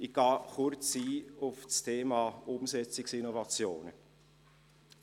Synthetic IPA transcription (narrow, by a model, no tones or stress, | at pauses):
iɡ̥ɑːχʊɾt͡siːʊfstʰeːmɑːʊmsɛt͡sɪksɪnɔvɑt͡sjoːnə̰